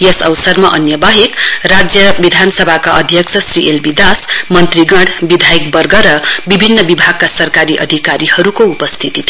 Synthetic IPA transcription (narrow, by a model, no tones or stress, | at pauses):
jʌsʌ̰wsʌrmaʔʌnjʌbaɦekrad͡zjʌbid̪ʱanʌsʌbʱakaʌd̪ʱjʌksʰʌsriʔelbid̪asmʌnt̪riɡʌɽbid̪ʱajikbʌrɡʌɾʌbibʱinːʌbibʱaɡ̚kasʌrkaɾiʔʌd̪ʱikaɾihʌɾukoupʌst̪ʰit̪it̪ʰ